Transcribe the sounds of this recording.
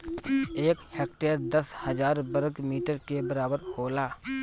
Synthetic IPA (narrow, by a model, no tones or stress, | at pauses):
eːkheːk̚ʈeːɾd̪əshəzaːɾbəɾɡmiːʈəɾkebəɾaːbəɾkoːlaː